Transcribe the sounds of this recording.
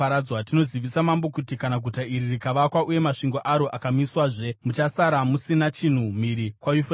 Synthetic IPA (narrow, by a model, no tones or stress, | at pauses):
aɾad͡zwatino̞ziʋisamambo̞kutikanaɡʱutaiɾirikaʋakwaʔuje̞maʂiŋɡo̞ʔaɾo̞ʔakamiswaʐe̞mut͡ʃasaɾamusinat͡ʃin̤um̤iɾikwajufe